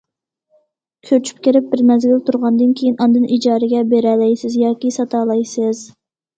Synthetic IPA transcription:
kʲʰøt͡ʃʰy̥p̚kʲeɾɪp̚bɪɾmɛzɡʲylt̪ʰuɾʁɑnd̪ɨnkʲʰejinɑnd̪ɨnid͡ʒɑːɾɪɡʲɛbeɾɛlɛjsɪzjɑːkʲisɑt̪ɑːlˠɑjsɨz

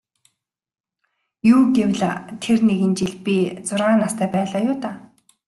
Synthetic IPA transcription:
juːɡewɮt̪ʰerneɣɘ̆nt͡ɕiɮpʲit͡sʊrʁaːnast̪ʰæːpæːɮaːjʊːt̪aː

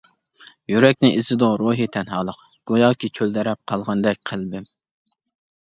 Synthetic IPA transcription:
jyɾɛk̚ʲnɪʔizɪd̪ʊɾuɦit̪ʰɛnɦɑːlˠəq | ɡ̥ujɑːkʲit͡ʃʰøld̪ɛɾɛp̚qʰɑlˠʁɑnd̪ɛk̚ʲqʰælbɪm

